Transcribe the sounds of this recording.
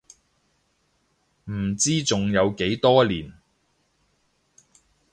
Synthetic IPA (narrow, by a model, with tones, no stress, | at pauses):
m̩˨˩t͡siː˥t͡sʊ˨ŋjɐ˨˧wke˨˥jt̪ɔː˥liː˨˩n